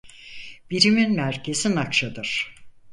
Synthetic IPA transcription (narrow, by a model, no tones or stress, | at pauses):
b̥iɾiminmæɾcʰe̞zinakt͡ʃʰad̪ɯɾ̥